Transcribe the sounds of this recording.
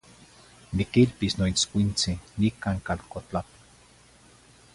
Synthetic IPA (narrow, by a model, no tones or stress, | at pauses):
nikilpisnoit͡skʷint͡sinikaŋkalkot͡ɬapḁ